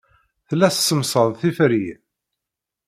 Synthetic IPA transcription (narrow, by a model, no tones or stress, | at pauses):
θlːæssːəmsˤəðˤθifɾi